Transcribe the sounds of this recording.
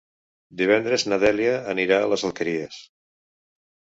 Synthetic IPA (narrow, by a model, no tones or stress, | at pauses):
d̪iβ̞ɛnd̪ɾeznəðɛljəːniɾaə̰lezəlˠkəɾiəs